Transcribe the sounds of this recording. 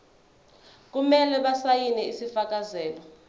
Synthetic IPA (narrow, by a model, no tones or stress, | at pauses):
k̬umɛlɛɓasajinɛisifak̬ʼazɛːlɔ